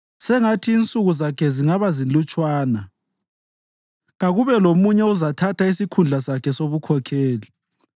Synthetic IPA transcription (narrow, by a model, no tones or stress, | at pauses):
sɛŋatʰiːnt͡sʼuɣuzakʰɛziŋaβazilut͡ʃʼwaːna | ɣaɣuβɛlomuɲɛuzatʰatʰaisikʰund͡ɮʱasakʰɛsoβukʰɔkʰeːli